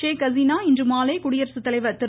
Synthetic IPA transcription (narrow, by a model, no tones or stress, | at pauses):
eːkɐziːnaːɪndrɯmaːleːkʊɽɪjɐɾsɯt̪ːɐlɐɪʋɐt̪ɪ